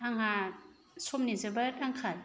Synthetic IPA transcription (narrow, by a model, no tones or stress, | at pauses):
aŋa | sɔmnizɯbaɾaŋkʰal